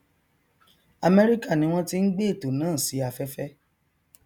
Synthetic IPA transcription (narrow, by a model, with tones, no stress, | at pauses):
a˨mɛ˦˧ɾi˦ka˦˨nĩ˧˦w̃ɔ̃˦ti˦n̩˦ɡ͡be˦˨to˨nãː˦˨si˨˦a˧fɛ˦fɛ˦